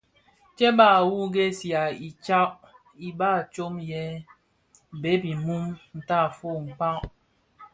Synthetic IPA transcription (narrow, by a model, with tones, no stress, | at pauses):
t͡ʃɛ˦ba˦˨wu˦ɡe˦sja˨i˨t͡ʃa˦ʔ | i˨ba˦˨t͡ʃo˦mjɛ˦ | be˨˦bi˨mu˦mn̩˨ta˦˨fo˦˨ŋ̩˨k͡pa˦ʔ